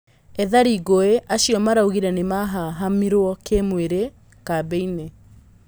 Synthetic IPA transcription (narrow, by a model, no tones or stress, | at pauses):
ɛðaɾiɡoeʔaɕiɔmaɾauɣiɾɛnemaɦaɦamiɾwɔkemweɾe | kabɛine